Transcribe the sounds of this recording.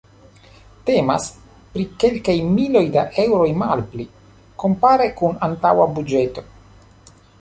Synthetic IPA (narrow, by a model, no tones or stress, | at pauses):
te̞ma̰s | pɾike̞lkajmilo̞jdaʔe̞wɾo̞jmalpli | ko̞mpaɾekunantawabud͡ʒe̞to̞